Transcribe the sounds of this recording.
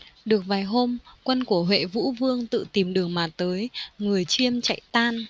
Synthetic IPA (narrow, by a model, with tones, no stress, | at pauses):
ɗɨ˨˩ək̚vaː˨˩jɦo˧mkwə˧nku˧˩əɦwḛ˧˨vṵ˧˥vɨ˧əŋt̪ɨ̰˧˨t̪i˨˩mɗɨ˨˩əŋmaː˨˩t̪əː˨˦jŋɨ˨˩əjt͡ɕi˧əmt͡ɕa̰˧˨jt̪aː˧n